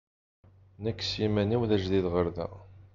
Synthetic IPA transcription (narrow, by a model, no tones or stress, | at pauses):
nəkːsimæniwðæʒðiðʁəɾðæ̰